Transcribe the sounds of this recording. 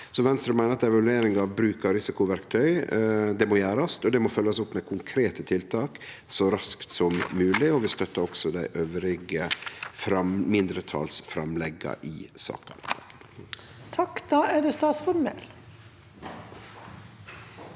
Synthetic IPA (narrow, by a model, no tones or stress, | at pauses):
sɔʋɛnst̪ɾʉmæɪnəɾɑt̪ɛʋɑlʉeːɾɪŋɑːʋbɾʉːkəɾɪsɪkʊʋæɾkt̪ʰœʏd̪ɛmoːjæːɾɑst̪ɔd̪ɛmofœlːəsʊpːmɛkʰʊŋkʰɾeːt̪ət̪ʰɪlt̪ʰɑːk | sɔɾɑskt̪sɔmːʉːlɪɔʋɪst̪œt̪ːəɾɔksɔd̪æɪʔøːʋɾɪɡəfɾɑmmɪnd̪ɾət̪ʰɑ̰ːlsfɾɑmlɛɡɑ̰ʔɪsɑ̰ːkɑ̰nt̪ | t̪ʰɑkd̪̥ɑːæd̪ɛst̪ɑːt̪sɔnmɛ̰l